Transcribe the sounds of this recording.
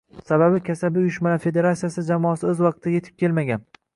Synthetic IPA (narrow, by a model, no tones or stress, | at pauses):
sababɪkʲʰasabɪʊjʊʃmalafe̞d̪e̞ɾat̪sijasɪd͡ʒamɒːasɪozwɑq̚t̪ʰːaje̞t̪ʰɪ̥p̚kʲe̞lmaɡʲan